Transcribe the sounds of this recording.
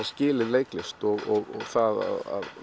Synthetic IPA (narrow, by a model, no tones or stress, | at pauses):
scɪːlɪðleːjklɪst̪ɔɣɔɣɔɣθaða̰ða̰ð